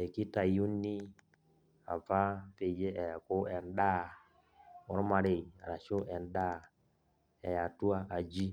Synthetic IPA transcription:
ɛ˨ki˦ta˨ju˦nːi˦ | a̰˨fa˦pe˨d͡ʒe˦ʔɛ˨a˨ko˦ɛ˨nɗa˦ | ɔ˨ɾma˨ɾe˨i˨a̰˨ɾa˨ʃo˦ʔɛ˨nɗa˦ | ɛ˨ja˨tu˦a˦ʔa˨d͡ʒi˦

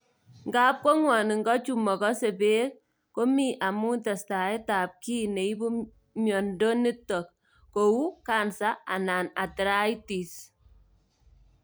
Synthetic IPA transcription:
ŋɡa˦p̚kɔ˦ŋwɔ˨ni˨ŋɡɔ˦t͡ʃu˦mɔ˨kɔ˦se˨be˦k̚ | ko˦mi˦ʔa˨mu˦ta˨sta˨e˦ta˨p̚ki˦ne˨i˦bu˦ | mjɔ˨ndo˦ni˦tɔ˨k̚ | ko˨wu˦ka˦nsa˦a̰˨na˨na˨tɾa˦i˦ti˨s

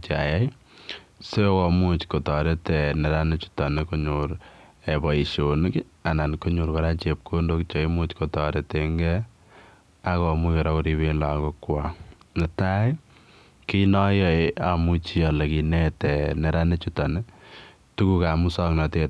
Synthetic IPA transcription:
t͡ʃa̰˨ja˦j | se˦kɔ˨mu˦t͡ʃko˨tɔ˨ɾe˦tɛ˨nɛ˨ɾa˦ne˦t͡ʃu̥˦tɔ˨ne˦ko˦ɲuɾebɔ˨i˨ʃo˨nk | a˨na˨nko˦ɲu˨ɾka˦ɾa˦t͡ʃe˨p̚kʰo˦ndo˦kt͡ʃo˨i˦mu˦t͡ʃko˨tɔɾe˨te˨ŋɡɛ | a˦kɔ˨mu˦ke˨ɾɔ˦ko˦ɾi˦βe˦la˨ko˦kwa | nɪ˨ta˦ | ki˦nɔ˦jɔ˦˨ea˨mu˦t͡ʃi˦ɔ˨le˨ki˨ne˦tɛ˨nɛ˨ɾa˦ne˦t͡ʃu˦tɔ˨ne˦ | tu˦ku˦ka˨mu˦sɔ˦knɔ˨te˨

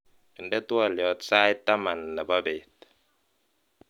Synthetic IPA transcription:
ə˨ndɛ˦t̪wa˦˨ljɔ˨t̪sa˦jt̪a˦ma˨nla˨ba˦be˨t̪̚

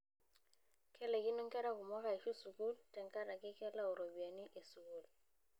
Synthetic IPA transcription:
kʰʼɛ˦lɛ˨kɪ˦nʊ˦ŋ̩˦kʼɛ˦ɾa˦kʊ˨mɔ˦ɣa˨i˨ʃu˦su˨ku˦ltʼɛ˨ŋ˦ka˦ɾa˨kɪ˦kɛ˦la˦ʊ˨ɾo˨bi˨a˨ni˦ʔe˨su˨ku˦˨l

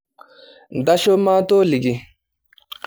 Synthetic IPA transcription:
n˨da˦ʃo˦ma˦to˦li˨ɡi˦

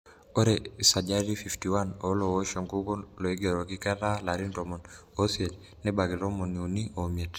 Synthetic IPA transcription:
o˦ɾe˨sa˨d͡ʒa˦ɾi˦fi˨fti˨wa˦no˦lo˨wo˦ʃɔ˨ŋɡu˦ɡɔ˦lɔ˨i˦ɡɛ˨ɾo˨ɡi˦kɛ˦ɾa˦la˨ɾi˦ndɔ˨mɔ˨n | o˦sje˨l | nɛ˦ba˨ɡi˨ɾo˦mɔ˨niu˨ni˦o˨me˨t

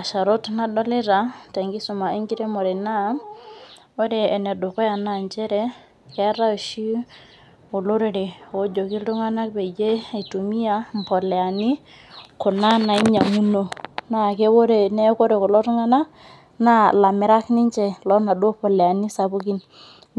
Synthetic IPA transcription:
a˨ʃa˨ɾo˦tna˦dɔ˦lɪ˦ɾa˨tɛ˨ŋɡi˦sʊ˨ma˨i˦ŋɡi˦ɾe˦mɔ˨ɾe˨na˦ | o˦ɾeː˨nɛ˨do˨kɔ˦ja˨na˨ɲt͡ʃɛ˦ɾɛ˦ | kɛ˦ɾa˦˨ʃi˦ | o˨lo˦ɾe˨ɾi˨o˦d͡ʒo˨ki˦ltu˦ŋa˦na˦k̚pe˨d͡ʒe˦a˨i˨tu˨mi˦a˦m˨pɔ˨lɛ˨a˨ni˦ | kʊ˨na˦na˨i˦ɲa˨mu˦no˨na˦˨ke˦bo˦ɾe˨ne˦ko˦ɾe˨ko˨lɔ˦tu˦ŋa˦na˦k | na˦la˨mɪ˨ɾa˦knɪ˦ɲt͡ʃɛ˨lɔ˦na˨do˦pɔ˨lɛ˨a˨ni˦sa˨bʊ˦ki˦n

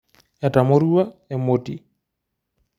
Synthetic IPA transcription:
ja˨ta˨moɾu˦wa˦e˨moti

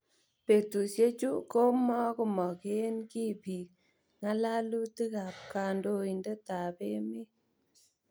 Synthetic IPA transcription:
pe˨tu˨sje˦t͡ʃu˦ko˦mɔ˦ku˦mɔ˨ke˦nki˦pi˨ | ŋa˦la˦lu˦ti˦ka˨p̚ka˨ndo˦i˨ndɛ˦ta˨pe˦mi˦

